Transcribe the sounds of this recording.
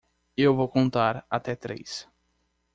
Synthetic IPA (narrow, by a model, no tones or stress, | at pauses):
ewvowkõnt̪aɾa̰t̪ɛt̪ɾḛjs